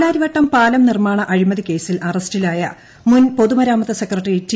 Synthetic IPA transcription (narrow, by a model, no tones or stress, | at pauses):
ɽaːɾiʋɐʈːɐmpaːlɐmnirmaːɳɐʔɐɻimɐðike̞ːsilʔɐrɐstilaːjɐ | munpo̞ðumɐɾaːmɐðɐsekrɐʈːriitː